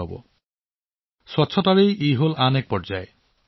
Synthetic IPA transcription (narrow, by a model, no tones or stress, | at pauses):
ɔbɔ̰ | sɔtːsʰɔtaɾejʔejɦolanek̚pɔɾd͡ʒae